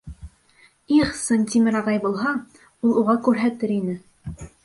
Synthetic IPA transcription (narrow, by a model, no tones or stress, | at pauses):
iχsɤnt̪ʲimɘɾɑʁɑjbulˠɦɑ | ulˠuʁɑkʉɾɦæt̪ɘɾinɘ